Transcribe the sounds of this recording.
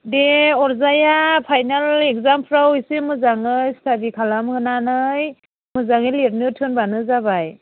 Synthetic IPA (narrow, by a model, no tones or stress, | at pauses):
deɔɾzajapʰajnalek̚zampʰɾawisɯmɯzaŋɯjstʰadikʰalamhɯnanɯj | mɯzaŋɯleɾ̚nɯtʰɯnbanɯzabaj